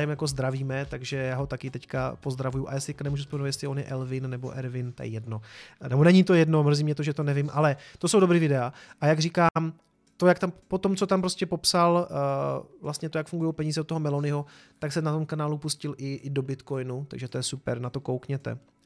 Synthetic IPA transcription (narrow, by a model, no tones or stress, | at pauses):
jɛmjako̞zd̪ɾaviːmɛt̪aɡʒɛjaːɦo̞t̪akɪt̪ɛckapo̞zd̪ɾavujuʔa̰jaːsɪɛkanɛmuːʒuspomɛnvt̪jɛslɪonjɛ̰ʔɛlvɪnːɛbo̰ʔɛɾvɪnt̪a̰jɛ̰jɛdno̞nɛbonɛɲit̪ojɛdno̞mr̩ziːmɲɛt̪oʒɛt̪onɛvɪmʔalɛt̪o̞sowdobɾiːvɪdɛaʔajaɡriːkaːm | t̪o̞jakt̪ampot̪o̞mt͡so̞t̪ampɾoscɛpo̞psal | vlast̪ɲɛt̪ojakfuŋɡujowpɛɲiːzɛot̪ːoɦomɛlonɪɦo | t̪aksɛnat̪o̞mkanaːlupuscɪlʔɪʔdo̞bɪt̪ko̞jnut̪a̰ɡʒɛt̪o̞jɛsupɛ̰ɾnat̪o̞kowkɲɛt̪ɛ̰